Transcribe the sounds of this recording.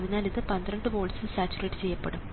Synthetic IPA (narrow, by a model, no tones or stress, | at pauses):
ðinaːliðɨpɐnd̪ɾɐɳɖɨʋo̞ːlsɨlsaːt͡ɕːurɐjʈːɨt͡ɕe̞jːɐpːeɽum